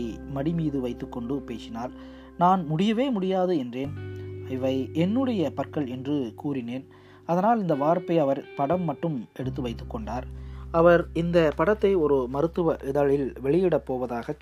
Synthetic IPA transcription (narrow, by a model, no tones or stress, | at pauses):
ɪmɐɽɪmiːðɯʋɐɪt̪ːɯkːɔɳɖɯpeːsɪnaːl | naːnmʊɽɪjɐʋeːmʊɽɪjaːðɯɛndreːnɐɪʋɐɪɛnːɯɽɐjɐpɐrkɐɭɛndrɯkuːɾɪneːn | ɐðɐnaːlɪnd̪ɐʋaːɾpɐɪɐʋɐɾpɐɽɐmːɐʈːɯmɛɽɯt̪̬ːɯʋɐɪt̪ːɯ̥kːɔɳɖaːɾɐʋɐɾɪnd̪ɐpɐɽɐt̪ːɐɪɔɾɯmɐɾɯt̪ːɯʋɐʔɪðɐɭɪlʋɛɭɪjɪɽɐpːoːʋɐðaːɣɐt͡ʃ